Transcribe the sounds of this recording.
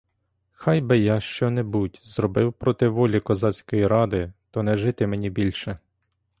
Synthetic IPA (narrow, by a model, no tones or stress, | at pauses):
xɑjbɪjɑʃt͡ʃɔnɛbutʲzɾɔbɪwpɾɔt̪ɪʋɔlʲikɔzɑt͡sʲkɔjiɾɑd̪ɪt̪ɔnɛʒɪt̪ɪmenʲibʲilʲʃɛ